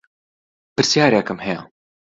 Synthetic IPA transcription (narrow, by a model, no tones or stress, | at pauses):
pɨɾsjaːɾekɨmhɛjɐ